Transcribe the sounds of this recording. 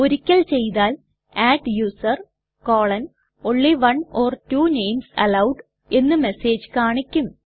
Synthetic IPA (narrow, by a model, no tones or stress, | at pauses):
oɾikʲːɐɭt͡ɕe̞jt̪aːl | aːʈjuːsɐr | koːɭɐn | oɳːiʋɐɳoːrtuːnejmsɐ̰lɐwɖ | e̞nːɨmeseːd͡ʑkaːɳikʲːum